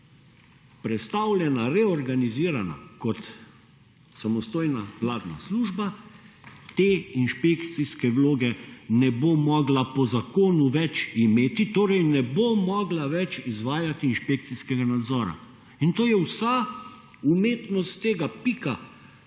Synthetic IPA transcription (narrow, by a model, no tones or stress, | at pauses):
pɾɛt̪st̪awljɛnaɾɛɔɾɡaniziːɾana̰kɔt̪ | samɔst̪oːjnaʋlaːd̪na̰sluːʒba | t̪eːinʃpekt̪siskɛʋloːɡɛnɛbomɔɡlapɔzakoːnuʋɛt͡ʃimeːt̪it̪oːɾɛjnɛbomɔːɡlaʋɛt͡ʃizʋaːjat̪iːnʃpek̚t̪siskɛɡanad̪zɔːɾa̰ | int̪oːjɛwsa | umeːt̪nɔst̪t̪eːɡapika